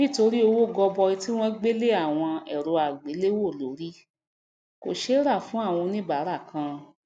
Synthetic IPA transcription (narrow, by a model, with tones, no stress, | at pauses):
nĩ˦˨to˧ɾi˦o˧wo˦˨ɡɔ˧bɔ˧i˧ti˦w̃ɔ̃˦ɡ͡be˦le˦a˦˨w̃ɔ̃˧ɛ̰˨ɾo˨˦a˨ɡ͡be˨˦le˦wo˦˨lo˨˦ɾi˦ | ko˨ʃe˨˦ɾa˦˨fũ˦a˦˨w̃ɔ̃˧nĩ˦ba˨˦ɾa˦˨kʰã˧